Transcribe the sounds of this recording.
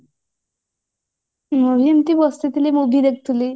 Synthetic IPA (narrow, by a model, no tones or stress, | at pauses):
mobʱijent̪ibɔst̪et̪ilemobʱid̪ek̚ʰt̪ʰuli